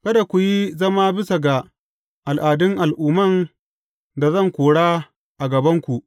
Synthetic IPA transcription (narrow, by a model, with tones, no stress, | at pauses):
kɐ˦da˨kʷu˨ji˦zɐ˦maː˦bɪ˦sa˨ɡa˨ | ʔa˨lʔaː˨dɪ˦ŋʔa˨lʔuː˨mɐ˦˨n | da˨zɐ˦ŋkʷoː˨ɽaː˦ | ʔa˨ɡɐ˨bɐ˦ŋkʷu˨ʔ